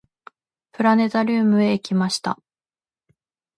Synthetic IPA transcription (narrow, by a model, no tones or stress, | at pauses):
pɯ̟ɾane̞t̪aɾʲɯːmɯ̟e̞kʲimaɕi̥t̪a̰